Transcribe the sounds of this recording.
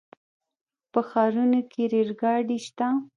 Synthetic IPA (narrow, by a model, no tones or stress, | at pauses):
pəxɑɾunokʰeɾeɾɡɑɖiʃt̪a